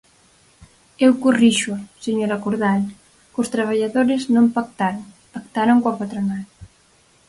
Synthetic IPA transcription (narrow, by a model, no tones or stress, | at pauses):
ewkoriʃʊaseɲoɾakoɾðal | kʊst̪ɾaβ̞aʎaðoɾɪznõmpak̚t̪aɾ | pakt̪aɾoŋkwapat̪ɾonal